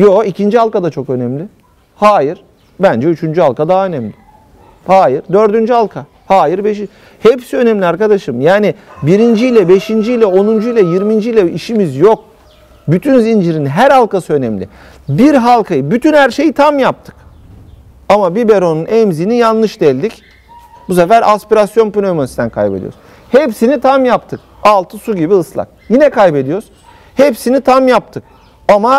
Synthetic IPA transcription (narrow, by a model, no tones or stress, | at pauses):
joicʰind͡ʒihalˠkad̪at͡ʃʰo̞kø̞nɛmlʲɪ | haːjiɾ | bænd͡ʒɛyt͡ʃʰynd͡ʒyhalˠkʰad̪aːaø̞nɛmlʲɪ | haːjiɾd̪ø̞ɾd̪ynd͡ʒyhalˠkʰa | haːjiɾbeʃi | hepsiø̞nɛmlʲiaɾkad̪aʃɯmjaːnibiɾind͡ʒijlʲɛbe̞ʃind͡ʒijlʲɛo̞nund͡ʒuilʲɛjiɾmind͡ʒijlʲɛiʃimizjo̞k̚ | byt̪ʰynzind͡ʒiɾinɦæɾhalˠkasɯø̞nɛmlʲɪ̰ | biɾɦalˠkʰajɯbyt̪ʰynhæɾʃe̞jit̪ʰamjap̚t̪ʰɯ̥k | amabibeɾo̞nunʔɛmzinijanlˠɯʃd̪ɛlʲd̪ic | b̥us̬afæɾʔaspiɾasjo̞npynomaist̪ænkʰa̰jbed̪ḭoɾz | hepsinit̪ʰamjapt̪ʰɯk̚ | alˠt̪ʰɯsuɟibiɯslˠa̰k̚jinɛkʰajbe̞d̪ijoɾz | hepsinit̪ʰamjap̚t̪ʰɯk̚ | ama